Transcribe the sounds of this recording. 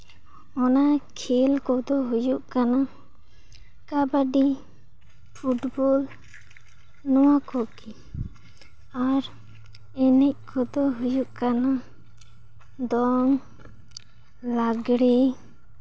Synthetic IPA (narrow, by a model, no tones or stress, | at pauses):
ɔnakʰɛlkɔd̪ɔɦujuʔkana | kabaɖi | pʰuʈbɔl | nɔwakɔki | aɾ | ɛnɛc̚kʰɔd̪ɔɦujuʔkana | d̪ɔŋ | laɡɽɛ